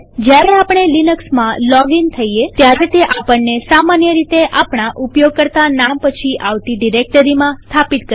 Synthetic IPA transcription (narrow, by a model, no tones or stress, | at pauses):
d͡ʒjaɾeapəɳ̃elinəksmãlɔɡint̪ʰəijet̪jaɾet̪eʔapəɳːesamanjəɾit̪eʔapɳ̃aʔupjoɡ̚kəɾt̪anampət͡ʃʰiʔaʋt̪iɖiɾek̚ʈəɾimãst̪ʰapit̪kə